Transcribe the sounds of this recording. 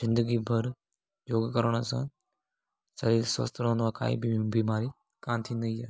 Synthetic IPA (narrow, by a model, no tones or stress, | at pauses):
zɪ̃nd̪əɡibʱɐɾ | d͡ʒoːɡkəɾəɽ̃əsã̰ː | sɐɾiːlsə̰st̪ʰɾõːnd̪ʋãːka̰ːḭbibiːmaːɾi | kaːnt̪ʰĩːn̆d̪əiːaː